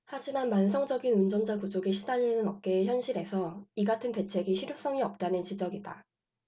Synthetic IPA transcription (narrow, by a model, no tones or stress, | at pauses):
had͡ʑimanmansʰʌŋd͡ʑʌɡinund͡ʑʌnd͡ʑakud͡ʑoɡiɕʰidaɲinɯnʌk̚k͈e̞ːçjʌnɕʰiɾe̞sʰʌiɡatʰɯnte̞t͡ɕʰe̞ɡiɕʰiɾjos͈ʌŋiʌp̚t͈anɯnt͡ɕid͡ʑʌɡida̰